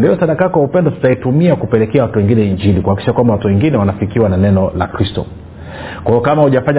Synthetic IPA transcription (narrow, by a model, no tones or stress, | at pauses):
ndijɔsaɗakakɔwaupɛndɔsḁtaitumiakupɛlɛkɛawatuwɛŋɡinɛiɲd͡ʒilikuhaki̥ʃakwambawatuwɛŋɡinɛwanafikiwananɛnɔla̰kɾistɔ̰ | kwajɔkamahuʄafaɲa